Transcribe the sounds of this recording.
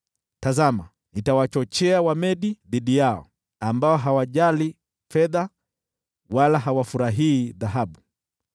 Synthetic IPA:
tazama | nitawat͡ʃɔt͡ʃɛawamɛɗiðiɗijaɔ̰ | ambaɔɦawaʄali | fɛða | walaɦawafuɾaɦiːðaɦaɓu

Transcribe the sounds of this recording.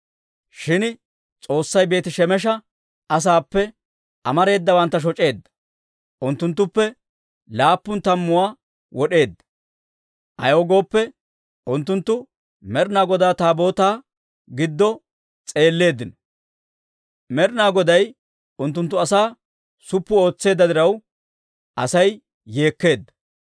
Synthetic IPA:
ʃɪn | t͡sʼo̞ːsːɐjbe̞ːt̪ɪʃɛmɛʃ̬ɐ | ʔɐs̬aːpːɛ | ʔɐmɐɾe̞ːd̪ːɐbɐnt̪ːɐʃ̬ɔt͡ʃʼe̞ːd̪ːɐ̥ | ʔʊnt̪ːʊnt̪ːʊpːɛ | laːpːʊnt̪ɐmːʊwaː | wɔɗe̞ːd̪ːɐ̥ | ʔɐ̰joːɡo̞ːpːɛ | ʔʊnt̪ːʊnt̪ːʊ | mɛɾɪnaːɡɔd̪aːt̪aːbo̞ːt̪aː | ɡɪd̪ːɔ | t͡sʼe̞ːlːe̞ːd̪ɪnɔ̥ | mɛɾɪnaːɡɔd̪ɐj | ʊnt̪ːʊnt̪ːʊɐsaː | sʊpːʊo̞ːt͡sːe̞ːd̪ːɐd̪ɪɾɐw | ʔɐsɐj | je̞ːkːe̞ːd̪ːɐ̥

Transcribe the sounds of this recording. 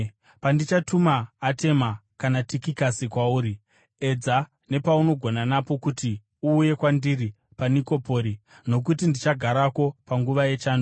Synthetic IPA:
pandit͡ʃatumaːte̞makanatikikasikwauːɾi | e̞d͡za | ne̞pauno̞ɡʱo̞nanapo̞kuti | uːje̞kwandiɾi | paniko̞po̞ːɾi | no̞k̬ut̬indit͡ʃaɡʱaɾako̞paŋɡuʋaje̞t͡ʃaːndo

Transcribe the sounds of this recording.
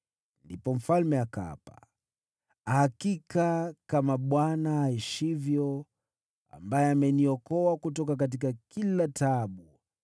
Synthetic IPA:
ndipɔm̩falmɛaka̰pa | ahakikakamaɓwanaaɛʃivjɔ | a̰mbajɛamɛniɔkɔakutɔk̬akat̬ikakilataɓu

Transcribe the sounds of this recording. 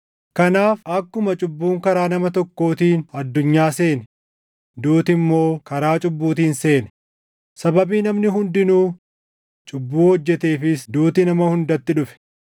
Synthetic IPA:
kɐnaːfɐkːʊmɐt͡ʃʼʊbːuːŋkɐɾaːnɐmɐt̪ɔkːo̞ːt̪iːnɐd̪ːʊɲːaːse̞ːnɛ | d̪uːt̪ɪmːo̞ːkɐɾaːt͡ʃʼʊbːuːt̪iːnse̞ːnɛ̥ | sɐbɐbiːnɐmnɪɦʊnd̪ɪnuː | t͡ʃʼʊbːuːhɔd͡ʒːɛt̪e̞ːfɪsd̪uːt̪ɪnɐmɐhʊnd̪ɐt̪ːɪᶑʊfɛ̥

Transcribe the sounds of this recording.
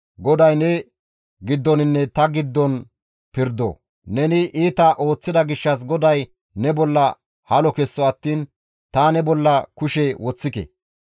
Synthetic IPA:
ɡɔd̪ɐjnɛ | ɡɪd̪ːɔnɪnːɛt̪ɐɡɪd̪ːɔn | pɪɾd̪o̰ː | nɛnɪʔiːt̪ɐʔo̞ːt͡sːɪd̪ɐɡɪʃːɐs̬ɡɔd̪ɐj | nɛbɔlːɐ | hɐlɔkɛsːɔɐt̪ːiːn | t̪anɛbɔlːɐkʊʃɛwɔt͡sːɪkɛ̰

